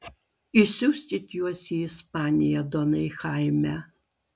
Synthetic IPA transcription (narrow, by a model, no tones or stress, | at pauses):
isʲuːsʲt̪ʲit̪ʲjuɔsʲiɪspɑːnʲɪjɛd̪ɔnɐɪxɑɪmʲæ